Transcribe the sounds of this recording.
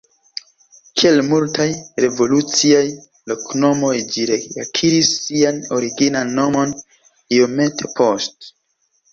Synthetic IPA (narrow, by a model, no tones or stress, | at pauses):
kie̞lmultajɾe̞vo̞lut͡siaj | lo̞kno̞mo̞jd͡ʒiɾeakʰiɾisːiano̞ɾiɡinanːo̞mo̞n | io̞me̞tʰe̞pʰo̞st